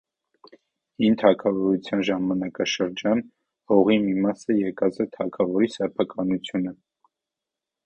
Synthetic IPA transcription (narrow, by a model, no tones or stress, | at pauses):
hint̪ʰɑkʰɑvɔɾut͡sʰjɑnʒɑmɑnɑkɑʃəɾd͡ʒɑn | hɔʁimimɑsəjɛkɑzɛt̪ʰɑkʰɑvɔɾisɛpʰɑkɑnut͡sʰjunə